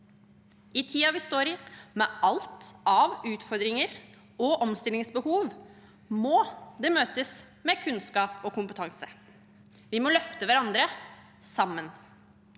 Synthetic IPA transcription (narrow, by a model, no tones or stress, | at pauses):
ɪt̪ʰiːɑʋɪst̪oːɾɪmɛːʔɑlt̪ɑʋʉːt̪fɔɾd̪ɾɪŋəɾ | ɔʔɔmst̪ɪlɪŋsbəhuːʋ | mɔːd̪ɛːmøːt̪əs | mɛkʰʉnskɑːpɔkʊmpət̪ʰɑŋsə | ʋɪmɔlœft̪əʋæɾɑnd̪ɾə | sɑmːən